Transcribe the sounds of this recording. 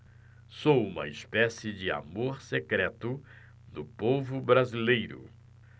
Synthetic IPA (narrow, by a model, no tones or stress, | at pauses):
sowũmɐ̰ispɛsɪd͡ʒɪa̰moɾsekɾɛt̪ʊ | nʊpovʊbɾazilejɾʊ̰